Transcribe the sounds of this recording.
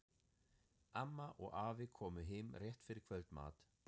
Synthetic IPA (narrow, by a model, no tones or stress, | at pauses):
amːaʔɔɣaːvɪkʰɔːmʏɦɪmrjɛht̪fɪɾɪɾ̥kʰvœlt̪ma̰ːt̪